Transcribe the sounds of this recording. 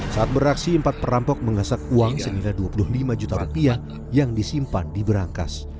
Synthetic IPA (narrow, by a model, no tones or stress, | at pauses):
saat̪̚bəɾaksiəmpat̪̚pəɾampɔk̚məŋasak̚uaŋsəniladuapulʊhlimad͡ʒut̪aɾupiah | jaŋdisimpandibəɾaŋka̰s